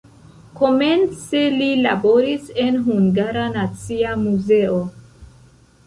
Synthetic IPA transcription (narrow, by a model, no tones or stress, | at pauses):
ko̞me̞nt͡selilabo̞ɾise̞nɦuŋɡaɾanat͡siamuze̞o